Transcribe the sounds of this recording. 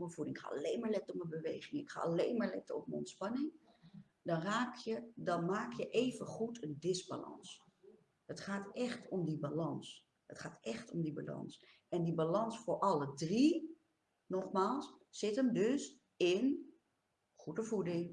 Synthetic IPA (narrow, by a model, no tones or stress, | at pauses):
məvudɪŋɪkχa̰ːɑ̰lejnmaːɹlɛtɔməbəʋejχɪŋɪkχa̰ːɑlejnmaːɹlɛtəɔ̰pmənɔ̰ntspɑnɪŋ | dɑnraːkjədɑnmaːkjəʔejvəχutʰəndɪsba̰lɑ̰ns | ətχaːtɛχtʰɔmdibalɑns | ətχaːtɛχtɔmdiba̰lɑ̰ns | ɛndibalɑnsfʊːɹʔɑlədri | nɔχmaːlˠsːɪtəmdɵs | ɪn | χudəvudɪŋ